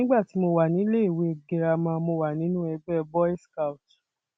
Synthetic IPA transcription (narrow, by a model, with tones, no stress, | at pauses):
ĩ˦ɡ͡ba˦˨ti˨˦mo˧wa˨nĩ˨˦le˦i˦˨we˨˦˨ɡe˧ɾa˧mã˧mo˧˨wa˨nĩ˨˦nũ˦ɛ˧ɡ͡bɛ˦ɛ˧bɔ˦ɛ˦ska˧u˨t